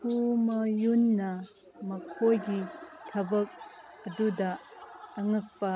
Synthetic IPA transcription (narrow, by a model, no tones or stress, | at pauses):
kʰumɐjunːɐ | mɐkʰojɡitʰɐbɐk̚ɐdudɐː | ŋɯk̚pɐ